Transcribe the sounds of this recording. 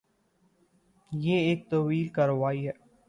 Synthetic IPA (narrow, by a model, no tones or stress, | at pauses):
jeːeːk̚t̪ɐʋiːlkɐɾʋaːiɦɛː